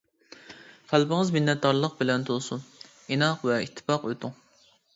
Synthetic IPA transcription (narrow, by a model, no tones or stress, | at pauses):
fʰælbɪŋəzminːɛt̪̚d̪ɑɾlˠəq̚bɪlɛnt̪ʰolˠsun | inɑqvɛit̪ʰːɪ̥pɑqøt̪ʰʊŋ